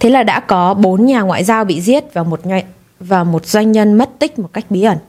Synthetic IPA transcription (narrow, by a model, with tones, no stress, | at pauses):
t̪ʰe˨˦laː˨˩ɗa̰ː˧˥kɔ˨˦ɓo˨˦nɲaː˨˩ŋwa̰ː˧˨jzaː˧wɓḭ˧˨zi˦˥ət̚vaː˨˩mo˨˩t̚ɲ˧ | vaː˨˩mo˨˩t̚zwa˧jŋ̟ɲə˧nmə˦˥t̚t̪ï˦˥k̟̚mo˨˩t̚ka˦˥jk̟̚ɓi˨˦ʔə˧˩n